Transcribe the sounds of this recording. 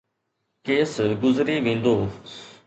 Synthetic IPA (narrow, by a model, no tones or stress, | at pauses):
keːsɡʊzɾiːʋẽːn̆d̪oː